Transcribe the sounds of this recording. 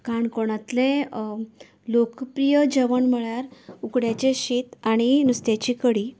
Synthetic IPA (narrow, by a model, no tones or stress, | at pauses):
kaɳkoɽ̃at̪le | lokpɾijəd͡ʑəʋənməɭjaɾukɽjat͡ɕeɕiːt̪aɽ̃inust̪jat͡ɕiːkəɽi